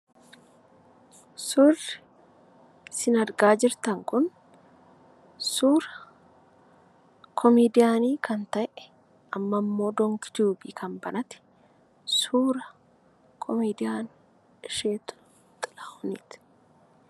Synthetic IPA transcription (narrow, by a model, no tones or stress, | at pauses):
sʊrːɪ | sɪnɐɾɡaːd͡ʒɪɾt̪ɐŋkʊn | suːɾɐ | kʰɔmeːd̪ɪjaːniːkʰɐnt̪ɐʔɛ̥ | ʔɐmːɐmːo̞ːd̪ɔŋkɪd͡ʒuːbiːkʰɐmbɐnɐt̪ɪ̥ | suːɾɐ | kʰɔmeːd̪ɪjaːn | ɪʃeːt̪ʊ̥ | t̪ʼɪlɐ̥hʊniːt̪